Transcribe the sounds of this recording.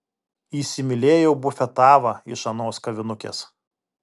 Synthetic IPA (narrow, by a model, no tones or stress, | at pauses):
iːsʲɪmʲɪlʲeːjɛʊbʊfʲɛt̪ɑːʋɐɪʃɐnoːskɐʋʲɪnʊkʲḛːs